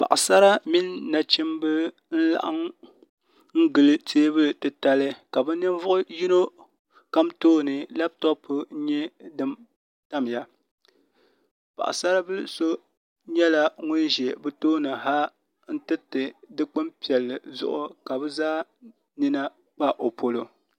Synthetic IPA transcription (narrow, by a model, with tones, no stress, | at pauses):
pa̰˨ʔa˨sa˦ɾa˦mi˦nːa˨t͡ʃi˦mbɨ˦ | n̩˦la̰˦˨ʔa˦ŋ | ŋ̩˦ɡɨ˨lɨ˦tʰeː˦bɨ˦˨tɨ˨ta˦lɨ˦ka˨bɨ˦nɨ˦n˦vʊ˦ʔʊ˦ji˦no˦ | ka˦mtoː˦nɨ˨la˦btɔ˦pʰʊ˦n̩˦ɲɛ˦dɨ˦m | ta˦m˨ja˨ | pa̰˨ʔa̰˨sa˦ɾa˦bɨ˦lso˦ | ɲɛ˦la˦ŋʊ˦n˦ʒɛ˨bɨ˦toː˦nɨ˨ɦa˦ | n̩˦tɨ˦tɨ˨dɨ˦k͡pɨ˦mpi˨ɛ˨lːɨ˨zʊ̰˦ʔʊ˦ka˨bɨ˦zaː˦ | ni˦na˦ | k͡pa˦ʔo˨pʰo˨lo˨